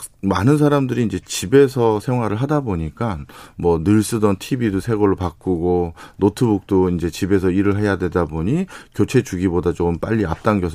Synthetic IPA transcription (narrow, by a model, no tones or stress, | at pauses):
manɯnsʰaɾamdɯɾiːnd͡ʑe̞t͡ɕibe̞sʰʌsʰe̞ŋɦwaɾɯɭɦadaboɲik͈anmwʌnɯɭs͈ɯdʌntʰibidosʰe̞ɡʌɭːopak͈uɡonotʰɯbuk̚t͈oind͡ʑe̞t͡ɕibe̞s̬ʰʌiɾɯɭɦe̞jadwe̞daboɲikjot͡ɕʰe̞t͡ɕuɡibodat͡ɕomp͈a̰ʎːia̰p̚t͈aŋɡjʌs